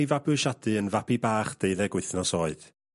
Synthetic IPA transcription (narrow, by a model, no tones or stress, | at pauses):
jvabɨʃadɨənvabibaːχd̥eɨðɛɡwɪθnɔsoːɨð̥